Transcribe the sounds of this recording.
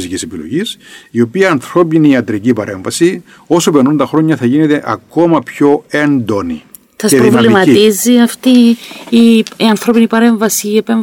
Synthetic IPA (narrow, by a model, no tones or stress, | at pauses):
sicisepilo̰ʝisio̞piɐːnθɾo̞piniɐt̪ɾicipɐɾe̞ɱvɐsi | o̞sopeɾnunt̪ɐxɾo̞ɲːɐθɐʝinet̪e̞ʔɐko̞mɐpço̞e̞nd̪oni | sɐsepɾovlimɐt̪iziɐft̪iː | iɐnθɾo̞pinipɐɾe̞ɱvɐsiːepeɱ